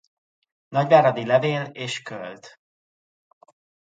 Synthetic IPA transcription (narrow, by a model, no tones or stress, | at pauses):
nɒɟvaːɾɒd̪ilɛveːleːʃkølt̪